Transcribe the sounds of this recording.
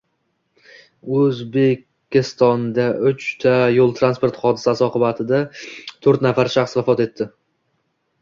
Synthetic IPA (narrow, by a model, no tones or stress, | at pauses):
ɵzbe̞kʲː | ɪst̪ɒnd̪aʔʊt͡ʃt̪ʰajolˠt̪ʰɾanspo̞ɾt̪χɒd̪ɪsasɪɒqɨbat̪ʰɪd̪at̪ʰɵɾt̪nafaɾʃaχsvafɒt̪e̞t̪ʰːɪ